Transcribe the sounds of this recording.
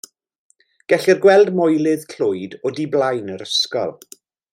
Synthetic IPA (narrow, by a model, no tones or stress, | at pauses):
ɡ̥ɛɬɪrɡwɛlˠdmɔjlˠɪðkʰlʊjdɔdiblˠajnəɾəskɔ̰lˠ